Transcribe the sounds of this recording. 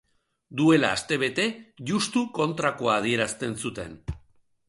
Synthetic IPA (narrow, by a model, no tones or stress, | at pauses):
d̪ue̞laːst̪e̞βe̞t̪e̞ʝust̪uko̞nt̪ɾako̞aːð̞ie̞ɾast̪e̞nsut̪e̞̰n